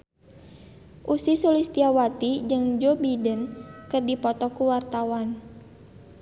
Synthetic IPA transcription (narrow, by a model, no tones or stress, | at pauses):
ʔusisulist̪iawat̪id͡ʒɨŋd͡ʒobidənkɨrdipɔt̪ɔkuwart̪awan